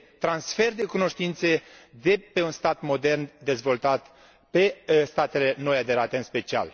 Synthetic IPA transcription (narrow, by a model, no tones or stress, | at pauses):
t̪ɾansfe̞rd̪e̞kuno̞ʃt̪int̪se̞d̪e̞pe̞unst̪at̪mo̞d̪e̞rnd̪e̞zvo̞lt̪at̪ | pe̞st̪at̪e̞le̞no̞jad̪e̞ɾat̪eɨnspe̞t͡ʃia̰l